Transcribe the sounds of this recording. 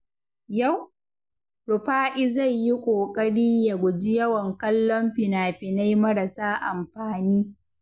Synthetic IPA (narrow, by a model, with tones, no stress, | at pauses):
ja˦˨w | ɽʊ˨ɸaː˦ʔɪ˦za˦˨jji˦kʷʼoː˨kʼɐ˦ɽiː˦ja˨ɡʷʊ˨d͡ʒi˦jɐ˦wɐ˨ŋkɐ˦lːɔ˦mɸɪ˨naː˨ɸɪ˨na˦jmɐ˦ɾɐ˨saː˦ʔa̰˨mɸaː˨niː˦